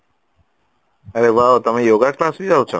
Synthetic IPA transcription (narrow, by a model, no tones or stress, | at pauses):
əɾeʋaot̪əmejoɡaklasbid͡ʒaɦũt͡ʃʰo